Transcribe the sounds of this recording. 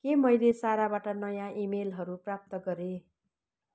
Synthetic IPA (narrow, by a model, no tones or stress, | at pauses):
kemʌjlesaɾabaʈʌnʌjãʔimelɦʌɾuprap̚t̪ʌɡʌɾe